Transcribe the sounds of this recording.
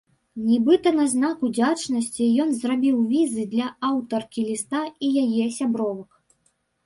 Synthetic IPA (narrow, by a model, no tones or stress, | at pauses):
nʲibɨt̪ɐnɐznakud͡zʲat͡ʂnɐsʲt͡sʲijɔnzrabʲiwvʲizɨd̪lʲɐawt̪ɐrkʲilʲist̪aijajɛsʲabɾɔvɐk